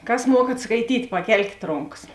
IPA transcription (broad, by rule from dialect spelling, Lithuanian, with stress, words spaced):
ˈkɐs ˈmuɔkɐt skɐɪˈtʲiːtʲ pɐˈkʲɛlʲkʲeːt ˈroːŋkɐs